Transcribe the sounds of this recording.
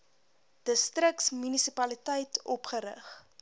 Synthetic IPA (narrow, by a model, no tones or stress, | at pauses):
d̥əstrəksmynisipɐlitəjtʰɔpχəɾə̰χ